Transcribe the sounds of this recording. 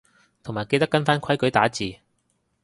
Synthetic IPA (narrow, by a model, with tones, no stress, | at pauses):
t̪ʰo˨˩ŋmaː˨jke˧jt̪ɐ˥kːɐ˥nfaː˥nkʰɐ˥jkɵ˨˥jt̪aː˨˥t͡siː˨